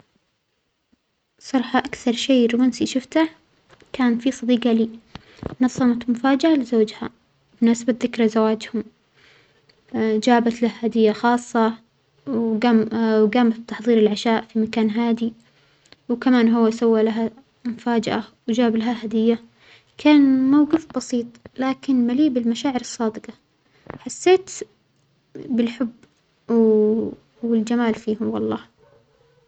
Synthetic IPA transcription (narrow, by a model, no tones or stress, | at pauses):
sˤɑɾˤħɑʔakθɑɾˤʃeːɾmansiʃʊft̪a | kaːnfisˤɑd̪iːɡɑliː | nɑsˤːɑmɑt̪mʊfaːd͡ʒaʔalɪzoːd͡ʒha | bnasbat̪ðɪkɾˤazawaːd͡ʒhʊm | d͡ʒaːbat̪lahhad̪ɪjːaxɑːsˤːɑ | aɡaːmat̪ːɑħðˤiːɾɪlʕaʃaːʔfimakaːnɦaːd̪i | wkamaːnɦʊwːasawːalaɦa | mʊfaːd͡ʒɪʔawd͡ʒaːblaɦhaɦad̪ɪjːa | kʰaːnmawɡɪfbɑsiːt̪ˤlaːkɪnmaliːbɪlmaʃaːʕɪɾɨsˤːɑːd̪ɪqɑ | ħasːeːt̪ | bɪlħʊbː | w | wɪld͡ʒamaːlfiːhʊmwɑlˤːɑː